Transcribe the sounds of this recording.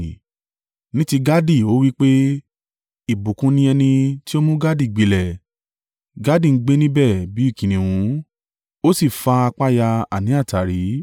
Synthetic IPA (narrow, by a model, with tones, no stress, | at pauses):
nĩ˦ti˧ɡa˦di˦˨o˨˦wi˦k͡pe˦ | i˦˨bu˨kũ˧nĩ˧˦ɛ˧nĩ˧ti˦o˦mũ˦ɡa˦di˦˨ɡ͡be˧lɛ˨ | ɡa˨˦dĩ˦˨ŋ̩˦ɡ͡be˦nĩ˦bɛ˦˨bi˨˦i˦˨kĩ˨nĩ˨wũ˨˦ | o˦si˦˨fa˧a˧k͡pa˦ja˧a˨nĩ˨˦a˦˨ta˨ɾi˨˦